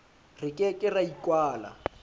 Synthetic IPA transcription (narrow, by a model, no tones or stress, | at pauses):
rɪkʼɛkʼɪraikʼwaːla̰